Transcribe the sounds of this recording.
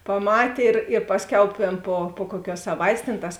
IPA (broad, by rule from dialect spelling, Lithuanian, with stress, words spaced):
pɐˈmɑːtʲeː ɪr ɪr ˈpɑːsʲˌkʲɛʊ ˈtʲeːn ˈpoː poː ˈkuɔˌkʲuɔs sɐˈʋɐɪtʲeːs tʲeːn ˈtɐs